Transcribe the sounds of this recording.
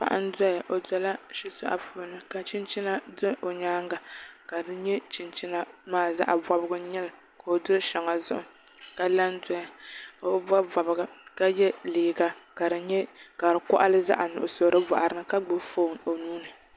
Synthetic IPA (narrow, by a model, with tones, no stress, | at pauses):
pa̰˨ʔa̰˦n˦da˦ja˨ʔo˨da˨˦la˦ʃi˦sʊ̰˦ʔa̰˨puː˦nɨ˨ka˨t͡ʃɪ˦nt͡ʃi˦na˨dɨ˦ʔo˨ɲaː˦ŋɡa˨ka˨dɨ˦ɲɛ˦t͡ʃɪ˨nt͡ʃɪ˦na˦maː˦˨za̰˦ʔa̰˨ba˦bɨ˦ɡʊ˦ɲɛ˦lɨ˨ | ka˨o˨dʊ˦ʃa˨ŋa˨zʊ̰˦ʔʊ˨ | ka˨la˦n˦dɔ˦ja˨o˨˦ba˦ba˨bɨ˨ɡa˨ka˦jɛ˦liː˨ɡa˨ka˨ɾɨ˨ɲɛ˦ka˨ɾɨ˨kɔ̰˦ʔa˦lɨ˦za̰˦ʔa˨nʊ̰˨ʔʊ˨so˨ɾɨ˦ba̰˨ʔa˨ɾɨ˦nɨ˦ka˦ɡ͡bo˦fo˦˨no˨nuː˦nɨ˨